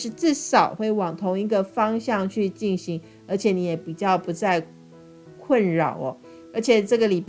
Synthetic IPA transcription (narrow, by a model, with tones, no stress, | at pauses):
ʂɻ̩˥˧t͡sɹ̩˥˩ʂɑ˨˩ʊxwe˥˩ɪwɑ˨˩ŋt̪ʰʊ˧˥ŋi˧˥ɡə˧fɑ˥ŋɕjɑ˥˧ŋt͡ɕʰy˥˧t͡ɕi˥˩nɕi˧˥ŋ | ə˞˧˥t͡ɕʰjɛ˨˩˦ni˧˥jɛ˧˩˥pi˨˩t͡ɕjɑ˥˩ʊpu˧˥t͡sa˥˧ɪ | kʰwə˥˩nɻɑ˨˩ʊɔ˦ | ə˞˧˥t͡ɕʰjɛ˨˩ʈ͡ʂɤ˥˩ɡə˩li˨˩p